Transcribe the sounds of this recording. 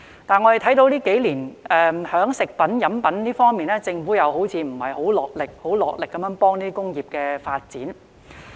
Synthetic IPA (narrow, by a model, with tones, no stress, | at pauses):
t̪aː˨nŋɔ˨˧ɾe˨jt̪ʰɐ˨˥jt̪o˧wliː˥ke˨˥jliː˨˩nɛː˨hœː˨˥ŋsɪ˨k̚pɐ˨˥njɐ˨˥mpɐ˨˥nliː˥fɔː˥ŋmiː˨nɛː˥t͡sɪ˧ŋfuː˨˥jɐ˨˧who˨˥wt͡sʰiː˨˧m̩˨˩hɐ˨jho˨˥wlɔː˨k̚lɪ˨k̚ho˨˥wlɔː˨k̚lɪ˨kːɐ˨˦mjœː˨˧˥ŋpɔː˥ŋniː˥i˥kʊ˥ŋjiː˨p̚kɛː˧faː˧t̚t͡siː˨˥n